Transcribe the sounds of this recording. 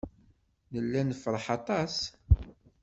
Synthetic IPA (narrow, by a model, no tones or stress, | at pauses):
nəlːænəfɾˤəħɑt̪ˤɑs